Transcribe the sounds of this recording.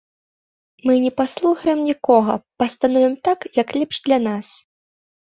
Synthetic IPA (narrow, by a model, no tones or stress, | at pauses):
mɨnʲɛpaslˠuxɐjɛmnʲikɔɣɐ̰pɐst̪anɔvʲɛmt̪akjɐklʲɛpʂd̪lʲanas